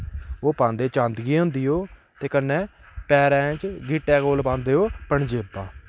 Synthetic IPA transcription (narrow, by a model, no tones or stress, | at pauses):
oːpãːnd̪eːt͡ʃãːnd̪ɡiːɦʊ̃nd̪iːɦoː | t̪eːkənːɛ̃ː | pɛːɾɛ̃ːt͡ʃɡiːʈːɛ̃ːkoːlpãːnd̪eːɦoːpəɳd͡ʒeːbãː